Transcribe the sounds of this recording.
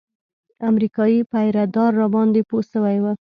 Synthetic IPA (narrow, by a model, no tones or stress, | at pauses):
amɾikɑjipajɾad̪ɑɾːɑbɑnd̪eposəwajwə